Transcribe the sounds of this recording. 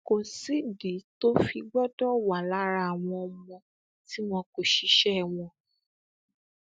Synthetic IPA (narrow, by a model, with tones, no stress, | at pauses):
ko˨si˦di˨˦to˦fi˧ɡ͡bɔ˦dɔ˦wa˨la˨˦ɾa˧a˨w̃ɔ̃˧ɔ˧mɔ̃˧ | ti˦m̃ɔ̃˧ko˨ʃi˧˦ʃɛ˦˨w̃ɔ̃˧